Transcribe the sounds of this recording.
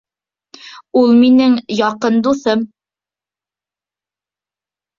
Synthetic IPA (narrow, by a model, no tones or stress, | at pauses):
ulˠminɘŋjɑqɤnd̪uθɤm